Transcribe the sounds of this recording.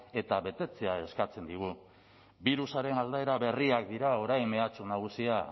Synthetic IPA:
e̞t̪aβe̞t̪e̞t͡se̞ae̞skat͡se̞nd̪iɣ̞u | biɾusaɾe̞nald̪ae̞ɾaβe̞riak̚d̪iɾao̞ɾajme̞at͡sunaɣ̞usia

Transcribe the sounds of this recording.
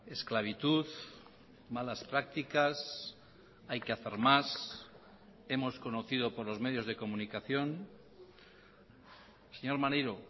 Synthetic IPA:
esklaβ̞it̪uð | malaspɾak̚t̪ikas | ajkeaθeɾmas | e̞mo̞sko̞noθiðo̞poɾlo̞zme̞ð̞jo̞zðe̞ko̞mũnikaθjo̞n | seɲo̞ɾmanejɾo

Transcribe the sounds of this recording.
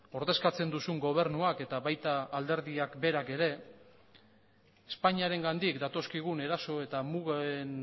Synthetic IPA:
o̞ɾðe̞skat͡se̞nd̪usuŋɡo̞β̞e̞ɾnuake̞t̪aβajt̪aːld̪e̞ɾðiakbe̞ɾake̞ɾe̞ | espaɲiaɾe̞ŋɡand̪ikd̪at̪o̞skiɣ̞une̞ɾaso̞e̞t̪amuɣan

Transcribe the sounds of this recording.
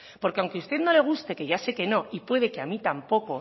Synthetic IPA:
po̞ɾkeawŋke̞ust̪e̞ðno̞le̞ɣ̞ust̪e̞ke̞ʝase̞ke̞no̞ipwe̞ð̞eke̞amit̪ampo̞ko̞

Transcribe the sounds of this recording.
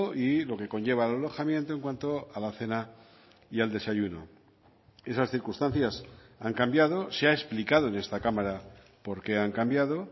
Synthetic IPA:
oʔilo̞ke̞ko̞nʝe̞β̞aːlalo̞xamjẽ̞nt̪o̞e̞ŋkwant̪o̞alaθe̞na | iald̪e̞saʝuno̞̰ | e̞sasθiɾkust̪an̟θjasaŋkambjað̞o̞seaesplikað̞o̞ene̞st̪akamaɾa | po̞ɾke̞aŋkambjaðo̞

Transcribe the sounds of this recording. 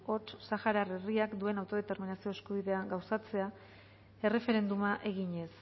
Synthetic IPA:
o̞t͡ʃsaxaɾare̞riakd̪ue̞nawt̪o̞ð̞e̞t̪e̞ɾminasio̞e̞skuβiðe̞aŋɡawsat͡se̞a | e̞re̞fe̞ɾe̞nd̪umaʔe̞ɣ̞iɲe̞s

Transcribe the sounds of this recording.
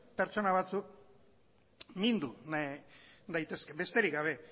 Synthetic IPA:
pe̞ɾt͡ʃo̞naβ̞at͡suk̚ | mind̪un | d̪ajt̪e̞ske̞be̞st̪e̞ɾikɡɡaβe̞

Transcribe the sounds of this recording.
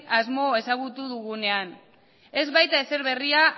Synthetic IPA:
azmo̞e̞saɣut̪uðuɣune̞an | e̞zβajt̪ae̞se̞ɾβe̞ria

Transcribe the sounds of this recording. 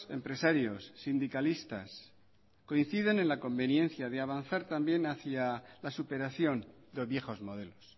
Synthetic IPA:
se̞̰mpɾe̞saɾjosːind̪ikalist̪as | ko̞in̟θiðene̞nlako̞mbe̞njẽ̞n̟θjaðeaβ̞anθaɾt̪ambje̞naθjalasupe̞ɾaθjo̞n | d̪ozβje̞xo̞zmo̞ð̞e̞lo̞s

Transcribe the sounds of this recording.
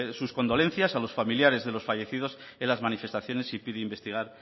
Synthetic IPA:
susko̞nd̪o̞le̞nθjasalo̞sfamiljaɾe̞zðe̞lo̞sfaʝe̞θiðo̞s | elazmanife̞st̪aθjo̞ne̞sipiðeimbe̞st̪iɣ̞aɾ

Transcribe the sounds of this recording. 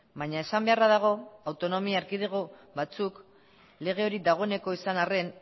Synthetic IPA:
baɲae̞sambe̞araðaɣ̞o̞awt̪o̞no̞miaːɾkið̞eɣ̞o̞βat͡suk | le̞ɣ̞e̞o̞ɾid̪aɣ̞o̞ene̞ko̞isanare̞n

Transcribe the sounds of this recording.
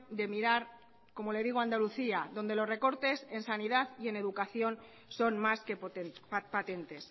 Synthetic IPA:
d̪e̞miɾaɾ | ko̞mo̞le̞ðiɣ̞oand̪aluθiaðo̞nd̪e̞lo̞zre̞ko̞ɾt̪e̞se̞nsaniðaðie̞ne̞ðukaθjo̞n | so̞nmaskep̪pat̪e̞nt̪e̞s

